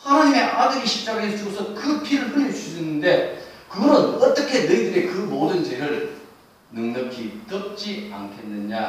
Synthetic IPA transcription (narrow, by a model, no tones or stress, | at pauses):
hanaɲimeʔadɯɡiɕʰip̚t͡ɕ͈aɡaɦesʰd͡ʑuɡosʰʌkɯpʰiɾɯɭɡɯɲit͡ɕusʰɯnːɯnde̞kɯɡʌɾɯnʌt͈ʌkʰe̞nɯidɯɾekɯmodɯnt͡ɕeɾɯɭ | nɯŋnʌkʰit͈ʌp̚t͡ɕ͈ia̰nkʰe̞nːɯɲa